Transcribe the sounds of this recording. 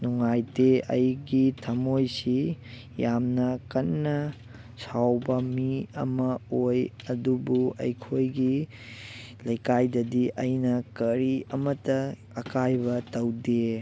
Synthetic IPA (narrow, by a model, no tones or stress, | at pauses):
nuŋajteɐ̰jɡitʰɐmojsi | jamnɐkɐnːɐ | sawbɐmiɐ̰mɐoj | ɐdubuɐ̰jkʰojɡi | lɐjkajdɐdiʔɐjnɐkɐɾiɐmɐtːɐː | kajbɐtɐwde